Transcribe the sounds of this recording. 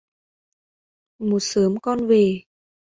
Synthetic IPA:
mo˨˩t̚səː˨˦mkɔ˧nve˨˩

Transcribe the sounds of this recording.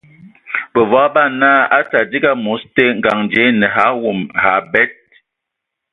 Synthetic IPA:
bə˨va˦ba˦˨na˦a˦sa˨di˦ɡa˦mu˨˦ste˦ŋ̩˨ɡa˨ŋd͡ʒe˨˦nɛ˨ɦa˨˦wu˨mha˨˦bɛ˦t̚

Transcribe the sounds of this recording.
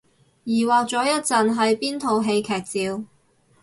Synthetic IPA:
jiː˨˩waː˨k̚t͡sɔː˨˥jɐ˥t̚t͡sɐ˨nɦɐ˨˥jpiː˥nt̪ʰo˨˧wɦe˧jkʰɛː˨˩k̚t͡siː˨˧w

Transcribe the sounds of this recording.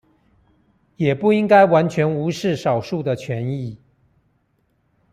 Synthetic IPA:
jɛ˨˩pu˥˩i˥ŋka˥ɪwa˧˥nt͡ɕʰɥɛ˧˥nu˧˥ʂɻ̩˥˩ʂɑ˨˩ʊʂu˥˩d̪ə˨t͡ɕʰɥɛ˧˦˥ni˥˨

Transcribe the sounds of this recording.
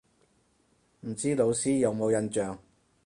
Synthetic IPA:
m̩˨˩t͡siː˥lo˨˧wsiː˥jɐ˨˧wmo˨˧wjɐ˧nt͡ʃœː˨ŋ

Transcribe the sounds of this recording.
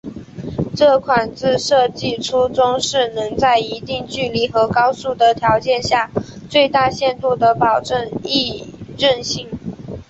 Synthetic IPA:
ʈ͡ʂɤ˥˩kʰwa˨˩nt͡sɹ̩˥˧ʂɤ˥˧t͡ɕi˥˩ʈ͡ʂʰu˥ʈ͡ʂʊ˥ŋʂɻ̩˥˩nɤ˧˥ŋt͡sa˥˩ɪi˧˥t̪i˥˧ŋt͡ɕy˥˩li˧˥xɤ˧˥kɑ˥ʊsu˥˩d̪ə˩t̪ʰjɑ˧˥ʊt͡ɕjɛ˥˧nɕja˥˧t͡swe˥˧ɪt̪a˥˧ɕjɛ˥˧nt̪u˥˩d̪ə˩pɑ˨˩ʊʈ͡ʂə˥˧ŋi˥˧ɻə˥˩nɕi˥˩ŋ

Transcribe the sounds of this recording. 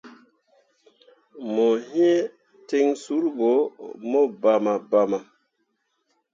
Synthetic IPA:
mo˨hĩ˦e˦ | te˦ŋsu˦ɾbo˨˦mo˦ba˨ma˨ba˨ma˨

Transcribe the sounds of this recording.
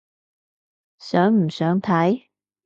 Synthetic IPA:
sœː˨˥ŋm̩˨˩sœː˨˥ŋt̪ʰa˨˥j

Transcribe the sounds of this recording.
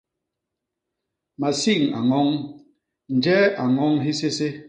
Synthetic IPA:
ma˨si˦˨ŋa̰˨ŋɔ˦ŋ | n̩˨d͡ʒɛ˦a˨ŋɔ˦ŋɦi˦se˦se˦

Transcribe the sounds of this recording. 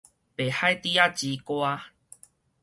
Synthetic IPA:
pe˨˩ha˥˦jt̪i˦a˦t͡ɕi˨˧˦kwa˦

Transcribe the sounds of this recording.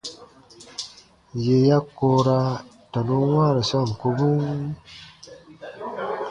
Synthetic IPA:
je˨ja˦kːo˦ɾa˦ | ta˨nu˦wãː˦ɾe˨sɔ˦˨n˨ku˦bu˦

